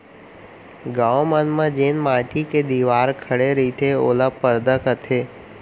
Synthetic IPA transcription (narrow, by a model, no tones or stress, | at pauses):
ɡãːʋmənmãd͡ʒeːnmãːtiked̪iːʋaːɾkʰəɽeɾit̪ʰeoːlapəɾd̪əkət̪ʰeː